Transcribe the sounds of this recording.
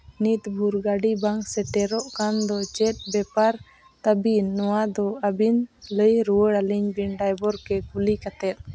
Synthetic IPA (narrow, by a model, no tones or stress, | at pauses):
nit̪bʱuɾɡaɖibaŋksɛʈɛɾɔʔkand̪ɔt͡ʃɛt̪̚ˀbɛpaɾ | t̪əbinːɔwad̪ɔabinləjɾuwəɽaliɲbiɳɖajbɔɾkɛkulikat̪ɛt̪̚ˀ